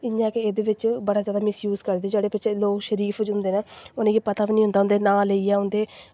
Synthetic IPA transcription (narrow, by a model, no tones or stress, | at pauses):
ɪɲãːkeeːd̪eːʋɪt͡ʃbəɽaːzjaːd̪aːmɪsjuːzkəɾd̪eːd͡ʒeːɽeːpɪt͡ʃʰeloːkʃəɾiːpʰd͡ʒɦʊ̃nd̪eːnaːʊnẽːkiːpət̪aːʋiːnĩɦʊ̃nd̪aːɦʊnd̪eːnãːleijaːʊ̃nd̪eː